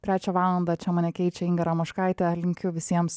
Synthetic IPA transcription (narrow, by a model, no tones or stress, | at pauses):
t̪ʲɾʲæːt͡ʃʲɛʋɑːlˠɐnd̪ɑt͡ʃʲɛmɐnʲɛkʲɛɪt͡ʃʲɛɪŋɡɐɾɐmɐʃkɑɪt̪ʲɛlʲɪŋʲkʲʊʋʲɪsʲiɛms